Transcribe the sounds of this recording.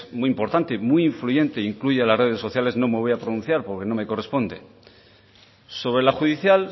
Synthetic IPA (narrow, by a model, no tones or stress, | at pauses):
muimpo̞ɾt̪ant̪emwuiiɱfluʝe̞nt̪eiŋkluʝealare̞ð̞esːo̞θjale̞zno̞me̞βo̞japɾonũn̟θjaɾpo̞ɾke̞no̞meko̞re̞spo̞nd̪e̞̰ | so̞βɾe̞laxuðiθjal